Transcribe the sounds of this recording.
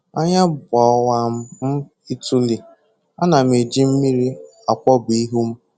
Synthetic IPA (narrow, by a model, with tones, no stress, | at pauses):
a˦ɲa˦bɔ˨ɔ˦wa˦˨m̩˦m̩˦ | i˦tu˦li˨ | a˦na˨m̩˨e˨d͡ʒi˦m̩˦mi˦ɾi˦ | a˨kʷɔ˦bi˨˦ɦu˦m̩˦